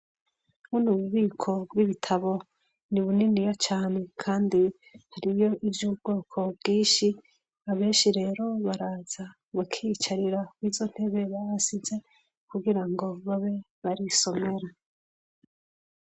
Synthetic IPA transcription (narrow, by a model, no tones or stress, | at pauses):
unuβuβiːkʰo̞bwiβitʰaβo̞ | niβuninijat͡ʃaːne̞kʰaːndi | haɾijo̞ʔivjubɡo̞ːkʰo̞bɡiːnʃi | aβe̞ːnʃiɾe̞ːɾo̞βaɾaːz̥a | βakʰit͡ʃaɾiɾawizo̞n̥he̞βe̞βaɾasize̞ | kuɡiɾaŋɡo̞βaβe̞ | βaɾiso̞me̞ɾa